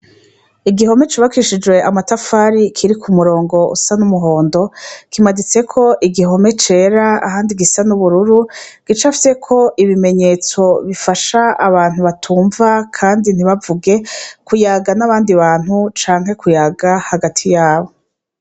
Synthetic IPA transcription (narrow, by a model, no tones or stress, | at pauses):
iɡiɦo̞me̞t͡ʃaβakiʃid͡ʒwe̞ʔamatafaːɾikʰiɾikʰumuɾo̞ːŋɡo̞ʔṵsanumuɦo̞ːndo̞kimadit͡se̞kʰo̞ʔiɡiɦo̞me̞t͡ʃe̞ːɾaa̰ɦaːndiɡisanuβuɾuɾuɡ̥it͡ʃafi̥sekʰo̞ʔiβime̞ɲe̞ːt͡so̞βifaʃaaβaːn̥huβatʰuːɱvakʰaːndin̥iβavuɡe̞kujaɡanaβaːndiβaːn̥hut͡ʃaːŋhɦe̞kujaɡahaɡatʰijaːβo̞